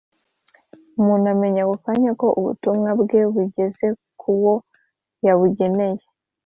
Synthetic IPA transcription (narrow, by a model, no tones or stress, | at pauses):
muːnuame̞ɲakukaɲako̞ʔuβṵtumŋabɡe̞βuɟe̞ze̞kʰuwo̞ | jaβuɟe̞ne̞je̞